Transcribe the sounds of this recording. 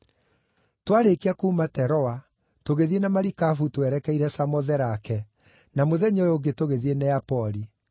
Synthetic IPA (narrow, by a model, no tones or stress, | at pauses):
twaɾekiakuːmatɛɾɔa | toɣeðienamaɾikafutwɛɾɛkɛiɾɛsamɔðɛɾakɛ | namoðɛɲojoɡetoɣeðienɛapɔɾi